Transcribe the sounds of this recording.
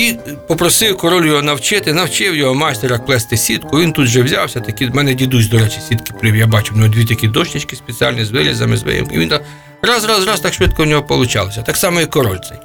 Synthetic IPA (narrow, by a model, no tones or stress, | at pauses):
ipɔpɾɔsɪwkɔɾɔlʲjɔɦɔnɐwt͡ʃɪt̪ɪnɐwt͡ʃɪwjɔɦɔmɑsʲt̪ʲeɾɐkplˠɛst̪ɪsʲit̪kʊʋʲint̪ut̪ʒɛwzʲa̰wsʲɐt̪ɐkʲimɛnɛdʲid̪uzʲd̪ɔɾɛt͡ʃisʲid̪kɪ̥pʲɪwjabɑt͡ʃʊmnɔd̪ʲʋʲit̪ɐkʲid̪ɔʃt̪ʲɪt͡ʃkɪsʲpʲet͡sʲia̰lʲnizʋɪɾʲizɐmɪ̰zʋɪ̰ɪ̰ḭʋʲint̪ | ɾɑzɾɑzɾɑst̪ɑkʃʋɪt̪̚kɔunʲɔɦɔpɔlˠʊt͡ʃɑ̰lˠɔsʲɐt̪ɑksɑmɔikɔɾɔlʲt̪sɛ̰j